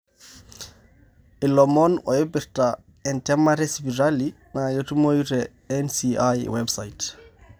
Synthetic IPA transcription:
ʔilɔmɔnɔ̰jebiɾta | ɛntɛmaɾɛspiɾali | najotumojuɾɛ | ɛnsiajwɛbsajt

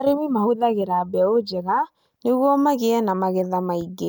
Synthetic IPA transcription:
ɾewimahuðaɣeɾabɛod͡ʒɛɣa | neɣwɔmaɣeɛnamaɣɛðamaiɡe

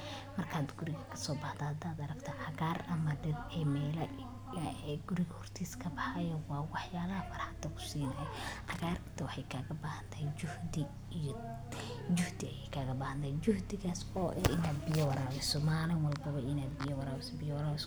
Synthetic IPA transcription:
mɐrkʰaːd̪ɡʊɾɪɣɐkʰɐ̥sɔːbɐħd̪ɐhɐd̪aːd̪ɐɾɐkt̪ʰɔʕɑɣaːrɐmɐɖɪɾɛmɛːlɐ | ɡʊɾɪɣɐhɔrt̪ʰiːskʰɐbɑħɑjɔwɑːwɑħjaːlɐɦɐfɐrħɐd̪ɐkʰʊ̥siːnɐɛʕɑɣaːrkt̪ʰɐwɑħɑjkʰaːɣɐbahɐnt̪ʰɛjʊhd̪ɪ | d͡ʒʊhd̪ɪɐjɛjkʰaːɣɐbaːhɐnt̪ʰɛjt͡ʃʊhd̪ɪɣaːsɔːʔɪnaːd̪bɪjɔwɑɾaːwɪsɔmaːlɐnwɑlbɐβɐɪnaːd̪bɪjɔwɑɾaːwɪsbɪjɔwɾaːwɪs

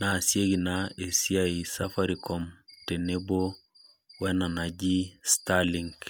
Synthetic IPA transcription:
nasieɡinaesiaisafaɾikɔmtenebo | wɛnanaɟistaliŋɡ

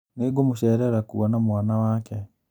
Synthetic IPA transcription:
neɡomuʃɛːɾɛɾakuanamwaːnawaːkɛ

